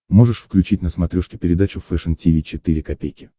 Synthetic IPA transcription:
mo̞ʐɨʂfklʲʉt͡ɕitʲnəsmɐt̪ɾʲoʂkʲɪ̥pʲɪɾʲɪd̪at͡ɕʊfɛʂɨntʲivʲit͡ɕɪt̪iɾʲɪkɐpʲejkʲɪ̥

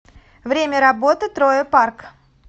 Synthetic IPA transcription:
vɾʲemʲəɾɐbo̞t̪ɨt̪ɾojəpark

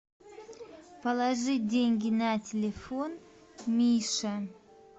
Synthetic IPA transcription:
pəlˠaʐɨdʲeŋʲɡʲinatʲɪlʲefon | mʲijʂɐ

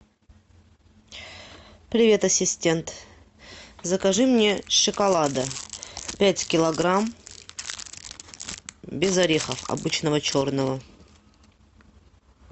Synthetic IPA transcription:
pɾʲɪvʲe̞t̪ɐsʲɪsʲtʲe̞nt̪ | zəkɐʐɨmnʲe̞ʂɨkɐlˠad̪əpʲætʲkʲɪlˠɐɡɾam | bʲɪzɐɾʲexəfɐ̰bɨt͡ɕnəvət͡ɕo̞rnəvə

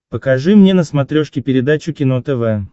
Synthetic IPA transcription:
pəkɐʐɨmnʲenəsmɐt̪ɾʲoʂkʲɪpʲɪɾʲɪd̪at͡ɕʊkʲɪnot̪ɛvɛ

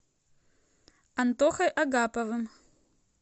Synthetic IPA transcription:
ant̪oχɐjʔaɡapʼavɨm

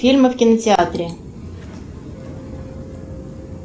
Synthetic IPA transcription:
fʲilʲməfkʲɪnətʲɪat̪ɾʲɪ

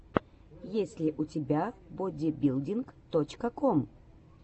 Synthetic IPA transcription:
jesʲlʲɪʔʊtʲɪbʲabodʲɪbʲilˠdʲinkt̪ot͡ɕkəkom

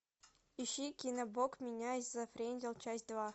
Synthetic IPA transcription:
iɕːikʲinɐbokmʲɪnʲaizːafrʲenʲzʲɪlˠt͡ɕasʲt̪̚ʲd̪vɑ

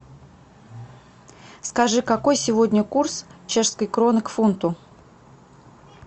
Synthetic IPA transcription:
skɐʐɨkɐko̞jsʲɪvodʲnʲəkurst͡ɕe̞ʂskəjkɾonɨkfunt̪ʊ

